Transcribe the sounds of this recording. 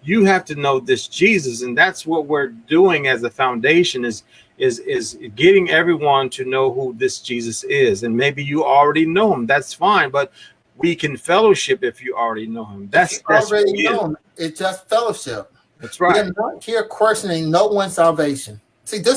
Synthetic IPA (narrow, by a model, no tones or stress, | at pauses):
jɨhæftɨnoʊðɪsd̥ʒ̥izɨs̬ɨ̃nðætswʌt̚wɪɹduɪ̃ŋɨzɨfãʊ̃ndeɪʃɨ̃nɨz | ɪzɪzɡɛɾɪ̃ŋɛvɹiwʌ̃ntʰɨnoʊhuðɪsd̥ʒ̥izɨsɪzɨ̃nmeɪbijɨl̩ˠɹɛɾinoʊɪ̃mðætsfãɪ̃nbʌt̚ | wikʰɨ̃nfɛlˠoʊʃɪpɨfjɨʔl̩ˠɹɛɾinoʊɪ̃mðætsʌlˠɹɛɾiõʊ̃n | ɪtsd̥ʒ̥ʌstfɛlˠoʊʃɪp̚ | ðæsɹaɪənət̚hiɹkʰw̥ɛst͡ʃɨnɪ̃ŋnoʊwʌ̃nsælˠveɪʃɨ̃n | siðɪ